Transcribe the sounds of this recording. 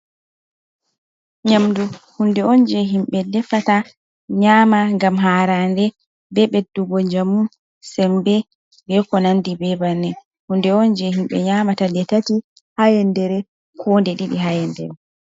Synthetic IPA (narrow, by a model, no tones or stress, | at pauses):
ɲamduhundɛɔnd͡ʒɛɦimɓɛdɛfata | ɲaːmaŋɡamɦaɾandɛ | bɛɓɛdːuɡɔɲd͡ʒamu | sɛmbɛ | bɛkɔnandibɛbanɛ | hundɛɔnd͡ʒɛhimɓɛ̰ɲamatadɛtati | hajɛndɛɾɛ | kʰɔndɛɗiɗiɦajɛndɛ̰ɾɛ